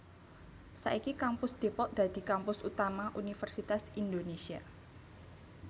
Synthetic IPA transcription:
sa̰ʔikikampʊsd̪̥e̤pɔʔd̪̥ä̤d̪̥i̤kampʊsut̪amaʔunifərsit̪asind̪onesia̰

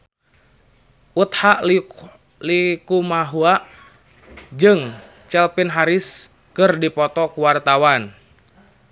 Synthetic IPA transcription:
ut̪haʔ | likumaɦuaʔ | d͡ʒɨŋ | t͡ʃɛlpinɦaɾis | kɨrdipɔt̪ɔkuwart̪awan

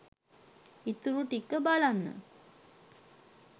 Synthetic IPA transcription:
it̪uɾuʈikːəbalanːə̰

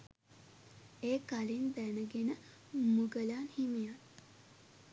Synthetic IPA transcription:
eːkalinb̪ænəɡenə | muɡəlaːnhimijat̪

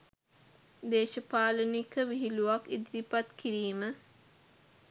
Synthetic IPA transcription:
d̪eːʃəpaːlənikəʋiɦiluʋakid̪ɾipat̪kiɾiːmə

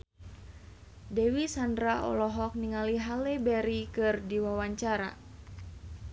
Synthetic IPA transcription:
dɛwisandɾaʔɔ̰lɔɦɔk̚niŋaliɦalɛbɛɾikɨrdiwawaɲt͡ʃaɾa̰

